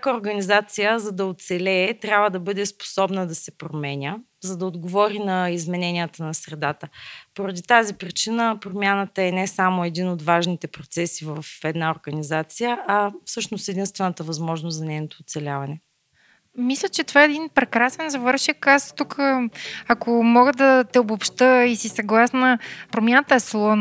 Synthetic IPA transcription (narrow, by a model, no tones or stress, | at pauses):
kəoɾɡɐnizat̪sijəzɐd̪ɐot̪sɛlɛːt̪ɾʲjabvəd̪ɐbɤd̪ɛspo̥sɔbnəd̪ɐsɛpɾomɛnʲə | zɐd̪ɐod̪ɡovɔɾinɐizmɛnɛnijət̪ənɐsɾɛd̪at̪əpoɾəd̪it̪azipɾit͡ʃinəpɾomʲjanət̪əɛnɛsamoɛd̪inot̪vaʒnit̪ɛpɾot̪sɛsivəfɛd̪naoɾɡɐnizat̪sijəʔɐfsɤʃnost̪ɛd̪inst̪vɛnət̪əvɐzmɔʒnost̪zɐnɛjnot̪oːt̪sɛlʲavɐnɛ | mislʲət͡ʃɛt̪ovaɛd̪inpɾɛkɾasɛnzɐvɤɾʃikast̪ukəakomɔɡəd̪ɐt̪ɛobopʃt̪əisisɐɡlˠasnəpɾomʲjanət̪əɛslˠɔ